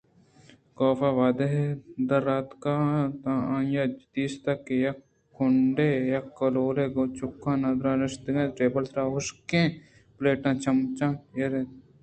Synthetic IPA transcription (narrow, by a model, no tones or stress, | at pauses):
kɔːfaːʋaːd̪eɦd̪ɐɾːaːt̪kat̪ããːjad͡ʒt̪iːst̪ɐkːejɐ | ʊɳɖejɐkːɐloːleːɡot͡ʃʊkːãːnɐd̪ɾãɾɪʃt̪ɪɡẽɾeːbəlsɾaːɦʊʃkẽ | pleːʈãːt͡ʃɐmt͡ʃãːjeɾe